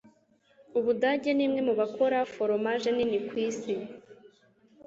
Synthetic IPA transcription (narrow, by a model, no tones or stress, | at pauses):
uβudaɟeniːmŋemuβako̞ɾafoɾomaʒeninikwiːsi